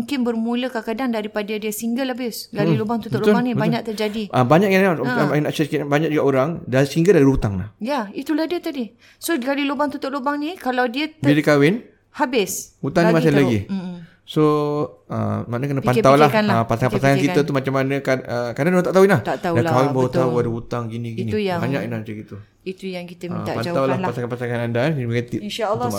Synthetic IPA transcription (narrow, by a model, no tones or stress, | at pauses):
uŋkɪnbərmũləkakadaŋdaɾipadədiəsiŋɡəlabɪsɡallobaŋt̪ut̪ʊlobaŋnĩbaɲak̚t̪ərd͡ʒadiʔəbaɲaʔjaanasɛsə̥kɪt̪abaɲak̚d͡ʒuɡaʔoɾaŋdaisiŋɡəldaɾiut̪aŋla̰hjait̪ulahdiət̪adi | soɡalilobaŋt̪ut̪ʊʔ̚lobaŋnĩkalawdiət̪biɾikawɪn | habɪshut̪aŋimasalaɡi | soə̰manəkənəppant̪awlahanlapasaŋanpasaŋankiət̪umat͡ʃamːanə̃kaəkadandoãt̪aʔt̪aɦuinlaht̪aʔ̪adankawɪnbawət̪auadəɦut̪aŋɡinĩɡniujabaɲakinat͡ʃəkit̪u | it̪ujaŋkit̪əiapat̪awllahpasaŋanpasaŋanandanəbkat̪iʔinʃalː